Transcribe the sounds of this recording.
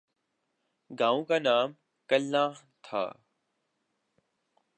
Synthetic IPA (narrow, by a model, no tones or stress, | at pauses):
ɡãːõːkaːnaːm | kəlːãːɦ | t̪ʰa̰ː